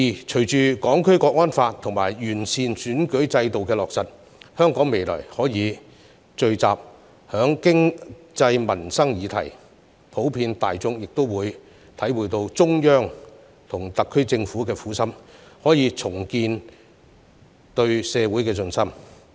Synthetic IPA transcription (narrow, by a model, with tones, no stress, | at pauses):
iː˨˩t͡ʃʰɵ˨˩ɥt͡ʃyː˨kɔː˨˥ŋkʰɵ˥ɥkɔː˧k̚ŋɔː˥nfaː˧tt̪ʰʊ˨˩ŋmaː˨˩jɥyː˨˩nsʰiː˨˩nsyː˨˥nkɵ˨˥ɥt͡sɐ˧jt̪o˨wkɛː˧lɔː˨k̚sɐ˨t̚ | hœː˥ŋkɔː˨˥ŋme˨˩jlɔ̰ː˨˩jhɔː˨˥jiː˨˧ | t͡ʃɵ˧ɥt͡sa̰ː˨p̚ | hœː˨˥ŋkɪ˥ŋ | t͡sɐ˧jmɐ˨˩nsɐ˥ŋjiː˨˥t̪ʰɐ̰˨˩j | pʰo˨˥wpʰiː˧nt̪a̰ː˨jt͡sʊ˥ŋjɪ˨k̚t̪o˥wwuː˨˧j | t̪ʰɐ˨˥jwuː˨˩jt̪o˧wt͡sʊ˥ŋjœː˥ŋ | t̪ʰʊ˨˩ŋt̪ɐ˨kʰːɵ˥ɥt͡sɪ˧ŋfuː˨˥kɛː˧fuː˨˥sɐ˥mhɔː˨˥jiː˨˧t͡sʰʊ˨˩ŋkiː˧n | t̪ɵ˧ɥsɛː˨˧wuː˨˥jkɛː˧t͡sɵ˧nsɐ˥m